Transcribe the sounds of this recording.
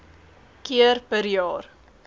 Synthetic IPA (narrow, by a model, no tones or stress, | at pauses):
kiərpəɾjɑːr